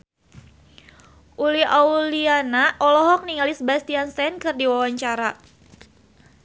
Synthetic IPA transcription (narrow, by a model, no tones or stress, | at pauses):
ʔuliaulianaʔɔlɔɦɔk̚niŋalisbast̪ianst̪ɛnkɨrdiwawaɲt͡ʃaɾa